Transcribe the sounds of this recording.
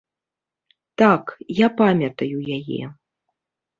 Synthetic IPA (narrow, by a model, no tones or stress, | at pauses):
t̪akjapamʲɐt̪ɐjujajɛ̰